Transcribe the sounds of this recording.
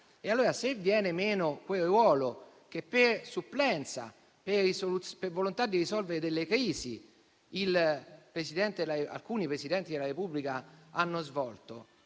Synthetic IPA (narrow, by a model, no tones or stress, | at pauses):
ealːuːɾasevːjɛːnemeːnokweɾwɔːlo | k̟epːersupːlɛnt̪sa̰ | perisolutpervolont̪ad̪ːirisɔlveɾed̪elːekɾiːzḭ | ilpɾesid̪ɛnt̪elaea̰lkuːnipɾesid̪ɛnt̪id̪elaɾepubːlikaanːozvɔlt̪o